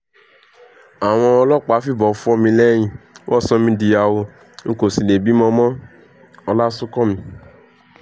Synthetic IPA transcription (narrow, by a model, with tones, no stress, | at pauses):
a˨w̃ɔ̃˧ɔ˧lɔ˦k͡pa˨˦fi˦˨bɔ˨˧fu˦ɔ˦mĩ˧lɛ˦j̃ĩ˦˨wʔɔ˦˨sɔ̃˦mĩ˧di˨˧ja˧wo˧ | ŋ̩˦ko˨si˨le˨bi˨˦mɔ̃˧mɔ̃˦ | ɔ˧la˦su˦kɔ˦mĩ˧